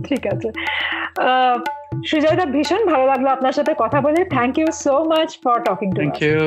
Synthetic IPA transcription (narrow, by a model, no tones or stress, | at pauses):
ʈʰikat͡ɕʰe | ʃud͡ʑajd̪abʱiʃonbʱalolaɡloapnaɾʃat̪ʰekɔt̪ʰabolet̪ʰɛŋkjusomat͡ɕfɔɾʈɔkiŋʈuku